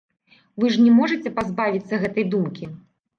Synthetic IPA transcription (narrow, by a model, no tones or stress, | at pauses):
vɨʐnʲɛmɔʐɐt͡sʲɛpazbavʲit̪sːɐɣɛt̪ɐjd̪umkʲi